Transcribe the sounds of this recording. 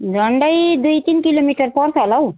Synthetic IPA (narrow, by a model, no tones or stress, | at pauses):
ɾɐɳɖəjd̪uit̪inkiloːmiːʈəɾpɔɾsalaw